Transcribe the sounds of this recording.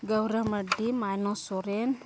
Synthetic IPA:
ɡawɾamadimajnɔsoɾen

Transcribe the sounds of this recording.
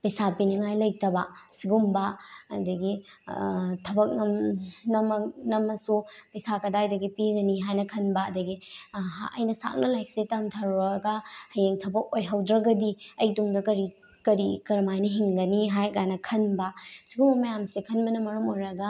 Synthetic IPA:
pɐjsapiniŋajlɐj̚tɐbɐsiɡumbɐɐ̰dɐɡi | tʰɐbɐk̚nɐmnɐmɐnɐmɐsupɐjsakɐdaɐjdɐɡipiɡɐniɦajnɐkʰɐnbɐɐdɐɡi | ɐ̰jnɐsa̰k̚nɐlajk̚setɐmtʰaɾɡɐhɐjeŋtʰɐbɐk̚ojɦawdɾɐɡɐdiɐjduŋdɐkɐɾi | kɐɾikɐɾɐmajnɐɦiŋɡɐniɦajɡajnɐkʰɐnbɐsiɡumbɐmɐjamsikʰɐnbɐnɐmɐɾɐmojɾɐɡɐ

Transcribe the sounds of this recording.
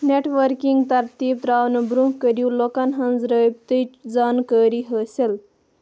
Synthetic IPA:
neʈʋəɾkiŋɡt̪ɐɾt̪ibt̪ɾawnɐbɾũɦkəɾiwlɔkanɦɐ̃nd͡zɾəjb̚t̪ət͡ʃd͡zankəɾiɦəsel

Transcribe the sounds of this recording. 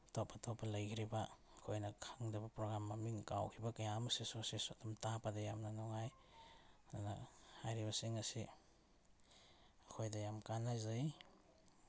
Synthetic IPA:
tɔp̚ʰːɐtʰɔp̚pːɐlɐjkʰiɾibɐ | kʰojnɐkʰaŋdɐbɐpɾoɡɾamːamiŋkawkʰibɐkɐjamɐsesosesotamtapɐdɐjamnɐnɔŋaj | ananahajɾibɐsiŋɐsi | kʰojdɐjamkanːajzaj

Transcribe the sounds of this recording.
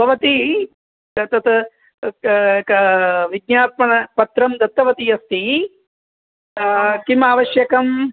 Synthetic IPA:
bʱɐʋɐt̪i | t̪ɐt̪ | ʋiɡ̚ɲaːt̪̚mɐɳɐpɐt̪ɾɐmd̪ɐt̪ːɐʋɐt̪ijɐst̪i | kimaːʋɐʃjɐkɐm

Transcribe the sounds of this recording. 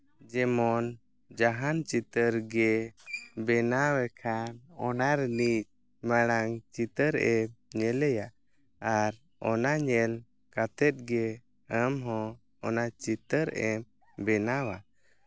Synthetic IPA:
d͡ʒɛmɔn | d͡ʒaɦant͡ʃit̪əɾɡɛ | bɛnawɛkʰanɔnaɾnic̚ | maɽ̃aŋt͡ʃit̪əɾɛmɲɛlɛjaʔ | aɾ | ɔnaɲɛl | kat̪ɛt̪̚ɡɛ | əmɦɔ̃ | ɔnat͡ʃit̪əɾɛm | bɛnawa

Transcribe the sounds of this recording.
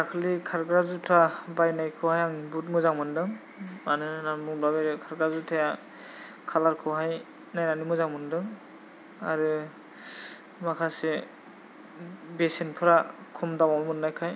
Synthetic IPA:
akʰlikʰaɾɡɾazutʰabajnajkʰɯwhajaŋbut̬̚mɯzaŋmɯndɯŋ | manɯnamuŋbabeɾɯkʰaɾɡɾazutʰaja | kʰalaɾkʰɯwɦaj | najnanimɯzaŋmɯndɯŋ | a̰ɾɯ | makʰase | besenpʰɯɾakʰumdawammɯnːajkʰaj

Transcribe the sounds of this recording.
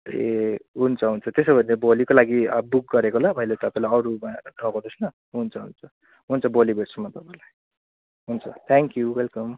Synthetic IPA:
eɦunt͡sʰʌɦunt͡sʰʌt̪esʌbʱʌnːebolikolaɡiʌbuk̚ɡʌɾekolabʱʌjlet̪ʌpaĩlajʌɾuadʱʌkonusnʌ | ɦunt͡sʰʌɦunt͡sʰʌ | ɦunt͡sʰʌbolibeʈsʌmːʌt̪ʌpaĩlaj | ɦunt͡sʰʌ̰t̪ʰaŋkjuwelkʌm

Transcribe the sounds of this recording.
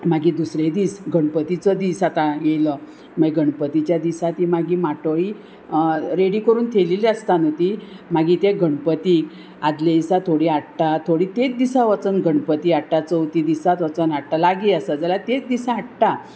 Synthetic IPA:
maɡiːd̪usɾed̪iːsɡʱəɳpət̪it͡səd̪isat̪ãjelə | məɡʱəɳpət̪it͡ɕjad̪isat̪imaɡiːmaʈəɭi | ɾeɽiːkəɾuːnt̪ʰeliliəst̪anət̪imaɡiːt̪eɡʱəɳpət̪iːk | ad̪led̪isat̪ʰoɽiːaɽʈ̪at̪ʰoɽiːt̪et͡s̚d̪isãʋət͡sənɡʱəɳpət̪iːaɽʈat͡səwt̪id̪isat̪ʋət͡sənaɽ̚ʈ̪alaɡiːəsad͡zalat̪et͡sd̪isaaɽʈ̪a

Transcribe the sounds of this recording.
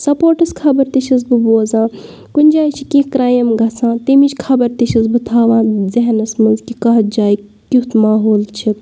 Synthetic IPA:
sɐpoːɾʈɐskʰɐbɐɾt̪it͡ʃʰis̬bɨboːzãː | kunʲd͡ʒaːjit͡ʃʰikekɾaːjɐmɡɐt͡sʰãːt̪emit͡ʃʲkʰɐbɐɾt̪it͡ʃʰisbɨt̪ʰaːʋãːzɐɦɐnɐsmɐnzkʲikɐɦɐt̪̚d͡ʒaːj | kʲut̪maːɦoːlt͡ʃʰi

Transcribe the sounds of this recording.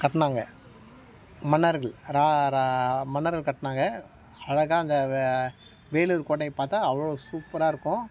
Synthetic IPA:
kɐʈːɐnaːŋɡɐ | mɐnːɐɾɣɐɭɾaːɾamɐnːɐɾɣɐɭkɐʈːɐnaːŋɡɐ | ɐɻɐɣaːɐnd̪ɐ | ʋeːɭuɾkoːʈːɐɪpaːɾt̪aːɐʋɐɭɭosuːpːɐɾaːɪɾɯkːʊ̃

